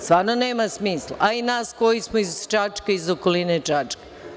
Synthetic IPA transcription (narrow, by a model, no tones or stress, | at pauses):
st̪ʋaːɾnoneːmasmiːslˠa̰ʔainaːskojismoizt͡ʃat͡ʃkaizokolinet͡ʃat͡ʂke̥